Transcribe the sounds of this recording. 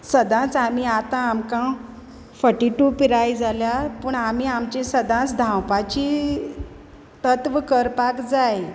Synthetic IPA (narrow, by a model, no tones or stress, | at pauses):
səd̪ʱãt͡sam̤iat̪ãːmkã | fəʈiʈupiɾajd͡zaljapəɳamiamt͡ɕẽsəd̪ʱãt͡sd̪ʱãwpat͡ɕi | t̪ət̪ʋəkəɾpakd͡zaj